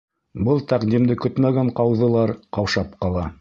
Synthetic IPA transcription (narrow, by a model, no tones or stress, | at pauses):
bɤlˠt̪æqd̪imd̪ɘkɵt̪mæɡæɴqɑwðɤ̆lˠɑɾqɑwʃɑpqɑlˠɑ